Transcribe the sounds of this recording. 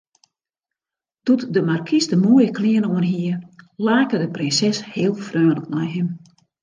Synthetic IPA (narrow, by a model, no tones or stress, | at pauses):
d̥utdəmarkʰisdəmuəjəklɪənoənɦiəlaːkədəprɪnsɛshɪəlˠfrøːləknɔjɦəm